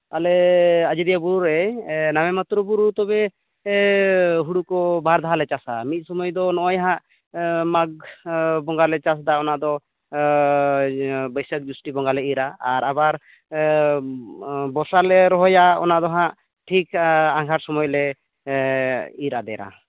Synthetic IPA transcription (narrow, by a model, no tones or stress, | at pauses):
alɛad͡ʒid̪ijabuɾuɾɛnamɛmat̪ɾɔbuɾut̪ɔbɛ | ɦuɽukɔbʱaɾd̪ʱaɦalɛt͡ʃasamit̪̚ˀsɔmɔjd̪ɔnɔʔɔjaɦãʔ | maɡ̚bɔŋɡalɛt͡ʃas̬d̪aɔnaʔd̪ɔ | bɔjsək̚d͡ʒusʈibɔŋɡalɛiɾaaɾabaɾ | bɔsalɛɾɔɦɔjaɔ̰naʔd̪ɔɦãʔ | ʈʰikaŋɡʱaɾsɔmɔjlɛ | iɾad̪ɛ̰ɾa̰